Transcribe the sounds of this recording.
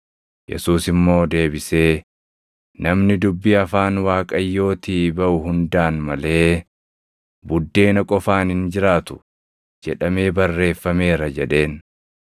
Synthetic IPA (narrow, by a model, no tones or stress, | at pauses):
jɛ̰suːsɪmːo̞ːd̪e̞ːbɪse̞ː | nɐmnɪd̪ʊbːiɐfaːnwaːkʼɐjːo̞ːt̪iːbɐʔʊɦʊnd̪aːnmɐle̞ː | bʊd̪ːe̞ːnɐkʼɔfaːnhɪnd͡ʒɪɾaːt̪ʊ̥ | d͡ʒɛᶑɐme̞ːbɐrːe̞ːfːɐme̞ːɾɐd͡ʒɛᶑe̞ːn